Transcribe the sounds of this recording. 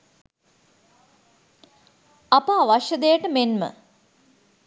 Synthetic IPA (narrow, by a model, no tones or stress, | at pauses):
ɐpəaʋaʃjəd̪ejəʈəmenmə̰